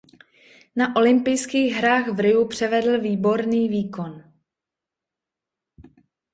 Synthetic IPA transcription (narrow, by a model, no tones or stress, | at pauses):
naʔo̞lɪmpɪjskiːɣɦɾaːɣvɾɪupr̝̥ɛvɛdl̩viːbo̞ɾniːviːko̞n